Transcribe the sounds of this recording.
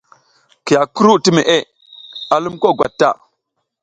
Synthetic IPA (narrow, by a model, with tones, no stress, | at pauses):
ki˨ja˨ku˦ɾu˦ti˦me˨ʔe˦˨ | a˨lu˦mko˦˨ɡʷa̰˨tːa̰˦˨